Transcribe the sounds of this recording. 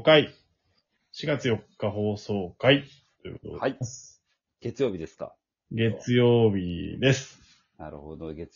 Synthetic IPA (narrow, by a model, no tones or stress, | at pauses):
kai | ɕiɡat͡sɨjo̞kːaɦo̞ːso̞ːkai | t̪o̞jɯ̟̰ko̞t̪od̪as | ɡ̥e̞t͡sɨjoːbʲid̪esɨ̥ka̰ | ɡe̞t͡sɨjo̞ːbʲid̪e̞sɨ̥ | naɾ̰hod̪oɡe